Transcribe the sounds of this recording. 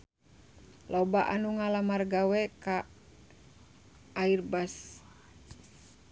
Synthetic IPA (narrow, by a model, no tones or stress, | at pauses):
lobaʔanuŋalamarɡawɛka | irbas